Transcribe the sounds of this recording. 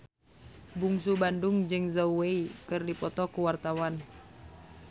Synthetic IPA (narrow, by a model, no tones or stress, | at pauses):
buŋsubanduŋd͡ʒɨŋzauweikɨrdipɔt̪ɔkuwart̪awan